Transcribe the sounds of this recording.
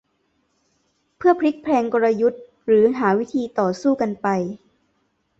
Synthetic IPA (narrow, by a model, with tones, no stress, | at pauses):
pʰɯ˥˩ɐpʰɾi˦˥k̚pʰlɛː˧ŋko˧ɾa˧ju˦˥t̪̚ | ɾɯː˩˦ɦaː˩˦wi˦˥t̪ʰiː˧t̪ɔː˨˩suː˥˩ka˧npa˧j